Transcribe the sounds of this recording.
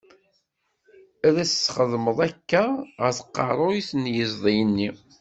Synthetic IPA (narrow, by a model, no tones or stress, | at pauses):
æðæsəːχəðməðˤækːæʁəɾθə̥qːɑ̰ɾˤoiθnjəzˤðˤijənːi